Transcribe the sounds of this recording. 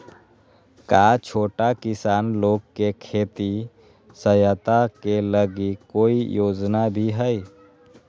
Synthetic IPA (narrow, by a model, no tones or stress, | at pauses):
kaːt͡ʃʰoːʈakɪsaːnloːɡ̚kekʰeːt̪i | səjət̪akeləɡikːoːijoːd͡ʒnabʱiɦɛi